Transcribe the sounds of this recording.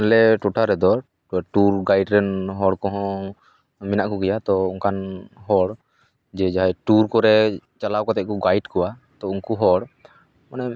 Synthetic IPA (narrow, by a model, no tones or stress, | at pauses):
lɛʈɔʈʰaɾɛd̪ɔ | ʈuɾɡajɖɾɛnɦɔɽkɔɦɔ̃ | minaʔkɔɡɛjat̪ɔuŋkanɦɔɽ | d͡ʒɛd͡ʒaɦaʈuɾkɔɾɛt͡ʃalawkɔt̪ɛkɔɡajɖkɔwat̪ɔuŋkuɦɔɽ | manɛ